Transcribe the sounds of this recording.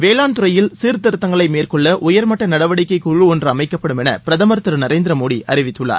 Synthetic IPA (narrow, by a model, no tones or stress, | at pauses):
ʋeːlaːnt̪ʊrɐjɪlsiːɾt̪ɐɾɯt̪ːɐŋɡɐɭɐɪmeːrkɔɭːɐʔʊjɐɾmɐʈːɐnɐɽɐʋɐɽɪkːɐɪkʊɻɯɔndrɯɐmɐɪkːɐpːɐɽɯmɛnɐ̰pɪɾɐðɐmɐɾt̪ɯɾnɐɾeːnd̪ɾɐmoːɽiʔɐ̰ɾɪʋɪt̪ːɯɭːa̰ːɾ